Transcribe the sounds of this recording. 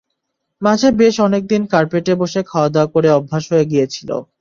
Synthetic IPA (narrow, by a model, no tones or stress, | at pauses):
mad͡ʑʱebeʃɔnek̚d̪inkaɾpeʈeboʃekʰaoad̪aokoɾeɔbʱːaʃɦoeɡijet͡ɕʰilo̰